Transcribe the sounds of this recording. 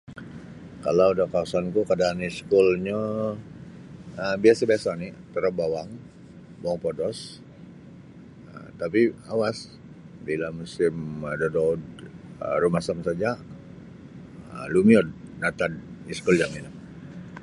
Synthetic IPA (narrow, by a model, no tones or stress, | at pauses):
kaladakaasank̪ukadaːniskulɲa | əbiasabiasanɪt̪əɾəbawaŋ | bawaŋpodɔs | ə̰t̪apiawas | bilamusɪmədadɔdərumasamsad͡ʒa | əlumiɔd̚dat̪adiskuld͡ʒaminam